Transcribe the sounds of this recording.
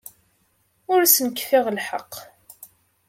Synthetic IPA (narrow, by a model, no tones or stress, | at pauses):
ʊɾsənkːfɪʁlħəqː